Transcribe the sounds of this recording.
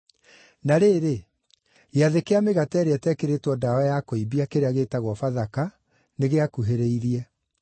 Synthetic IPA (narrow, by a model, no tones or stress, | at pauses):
naɾeːɾe | eaðekeameɣatɛɾeɛtɛkeɾetwɔdaɛjakoibiakeɾeaɣeːtaɣwɔfaðaka | neɣeakuɦeɾeiɾiɛ